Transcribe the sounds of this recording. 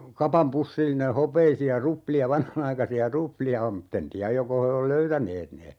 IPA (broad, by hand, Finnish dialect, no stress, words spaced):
kɑpɑm pusːilːine hopeisiɑ rupliɑ ʋɑnhɑnɑikɑsiɑ rupliɑ om m̩tː en tiæj joko he ol løytæneːt ne